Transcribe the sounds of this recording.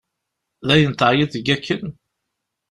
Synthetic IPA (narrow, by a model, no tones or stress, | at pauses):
ðæjənt̪əjiθəɡækʰːən